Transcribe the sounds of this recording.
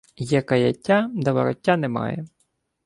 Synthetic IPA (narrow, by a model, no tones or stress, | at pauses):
jɛkɐjɐ̰tʲːad̪ɐʋɐ̰ɾɔtʲːanɛmɑ̰jɛ̰